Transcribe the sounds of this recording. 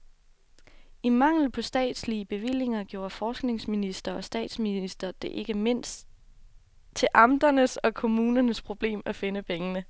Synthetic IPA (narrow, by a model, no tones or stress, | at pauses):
imɑ̈ŋ̰l̩pʰɒ̽sd̥ɛ̰ːd̥sliəb̥e̝ʋil̰e̝ŋɐɡ̥jo̝ːɐfɒːsɡ̥ne̝ŋsminisd̥ɐɒ̽sd̥ɛ̰ːd̥sminisd̥ɐd̥e̝ʔe̝ɡ̥əme̝n̰s | t͡sʰe̝ʔɑ̈md̥ɐnəsɒ̽kʰo̝muːnɐnəspʰʁo̝b̥le̝̰ːmæfe̝nəpʰeŋənə